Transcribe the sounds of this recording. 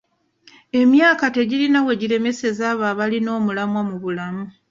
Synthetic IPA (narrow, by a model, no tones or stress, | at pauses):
e̞mjaːkate̞ɟiɾinawe̞ɟiɾe̞me̞se̞zaːβaːβalino̞ːmulamwamuβulamu